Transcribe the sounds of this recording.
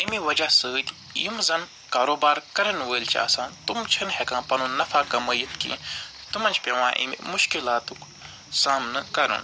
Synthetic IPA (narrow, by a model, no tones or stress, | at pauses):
ɐmiʋɐd͡ʒasəːd̪ʲ | ḭmzɐn | kaːɾoːbaːɾkɐɾɐnʋəːlʲt͡ʃʰa̰ːsãːnt̪umt͡ʃʰinhekãːpɐnunɐfʰaːkɐməjit̪kḭ̃ | t̪umɐnʲt͡ʃpʲeʋãːʔḭmḭmuʃkilaːt̪uk | saːmnɨkɐɾṵn